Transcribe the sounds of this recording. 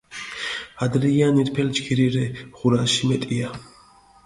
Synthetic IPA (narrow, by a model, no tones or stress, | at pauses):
ad̪ɾijaniɾpʰɛlt͡ʃkʰiɾiɾɛʁuɾaʃimɛt̪ʼia